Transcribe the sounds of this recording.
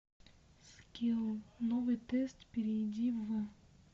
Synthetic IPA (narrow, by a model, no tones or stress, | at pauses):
skʲilˠnovɨt̪ɛst̪pʲɪɾʲɪdʲivə